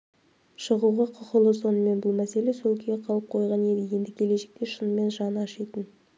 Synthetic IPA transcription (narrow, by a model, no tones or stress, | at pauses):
ʃəʁuʁɑqʰʊqəlˠəso̞nəme̞nbʊlˠmæse̞lesolkʲʰeqʰɑlˠəp̚qʰo̞jʁɑned̪eɡʲe̞nd̪ɪkʲʰe̞leʃe̥k̚t̪eʃənəme̞nʒɑnɑʃijt̪ən